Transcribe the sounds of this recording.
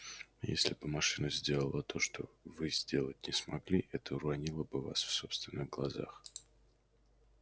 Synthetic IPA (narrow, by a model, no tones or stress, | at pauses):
jḛsʲlʲɪbɨmɐʂɨnəzʲdʲe̞lˠəlˠət̪ʰo̞ʂt̪ovɨzʲdʲe̞lˠət̚ʲnʲɪsmɐɡlʲiʔɛt̪ʰəɾɐnʲilˠəbɨva̰sfsopst̪vʲɪnːɨɣɡlˠɐza̰x